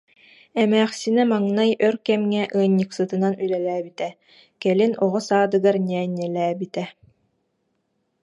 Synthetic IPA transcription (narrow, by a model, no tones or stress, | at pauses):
ɛmæːχsinɛmaŋnajœɾkɛmŋɛʔɯːɲːɯksɯt̪ɯnanylɛlæːbit̪ɛ | kɛlinɔʁɔsaːd̪ɯɡaɾnɛːɲɛlæːbit̪ɛ